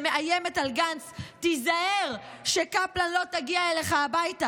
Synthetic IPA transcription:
meʔajeme̞talɡanstizaeʁ | ʃekaplanlo̞taɡiaeleχaːbajta

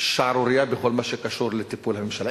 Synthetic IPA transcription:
ʃaʕɾuɾɪjabexolmaʃekaʃuɾlet̪ipulhamɪmʃal

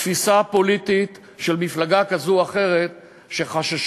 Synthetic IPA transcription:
fisapo̞lit̪it̪ | ʃe̞lmiflaɡakazuaχe̞ʁe̞t̪̚ | ʃe̞χaʃaʃ

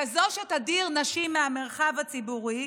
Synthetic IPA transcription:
ezoʃetadiʁnaʃimːeame̞ʁχavat͡sibuʁi

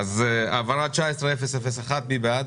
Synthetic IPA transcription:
azavaɾat͡ʃaɛsɾɛfɛsɛfɛsaχat̪̚bibeat

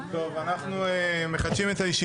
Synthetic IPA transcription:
t̪o̞vanaχnueme̞χad̪ʃimetajeʃi

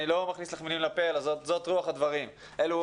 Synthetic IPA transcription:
ilo̞maχnislaχmilimlapelazotzo̞t̪ʁuaχad̪vaʁim | ʔe̞lu

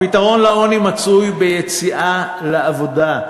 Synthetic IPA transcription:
pit̪aʁo̞nlao̞nimat͡sujbejet͡siʔa | leavo̞d̪a

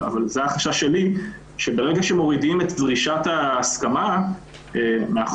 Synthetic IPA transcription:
a̰valzeaχaʃaʃe̞li | ʃebe̞ʁeɡaʃemo̞ʁidimet̪zʁiʃataːskama | emeaχ

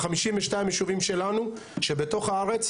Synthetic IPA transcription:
χamiʃimveʃtaimjeʃuvimʃe̞lanu | ʃe̞beto̞χaaʁe̞t͡s

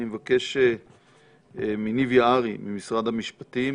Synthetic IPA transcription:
imevake̞ʃe | eminivjaaʁimimisʁad̪hamiʃpat̪i

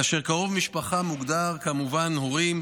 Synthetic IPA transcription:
aʃeʁkaʁo̞vmiʃpaχamuɡd̪aʁkamuvanhoʁim

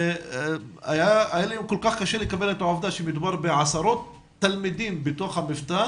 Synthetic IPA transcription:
ajaʔajalimkʊlkaːxkaʃelɪkabelat̪ʕafd̪aʃimɪd̪bɑɾˤbɪʕɑsɑɾˤoːt̪ː | almid̪iːnbɪt̪oːxhamɪft̪aː

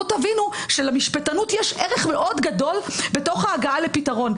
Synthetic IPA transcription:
tavinuʃelamiʃpetanutjɛʃʔeʁeχme̞ʔo̞dɡado̞lbe̞to̞χhaːɡaale̞pitaʁo̞n

